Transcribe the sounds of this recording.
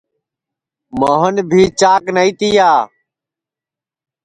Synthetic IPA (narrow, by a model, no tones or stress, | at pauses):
moːɦənbʱiːt͡ʃaːknəiːt̪iːjaː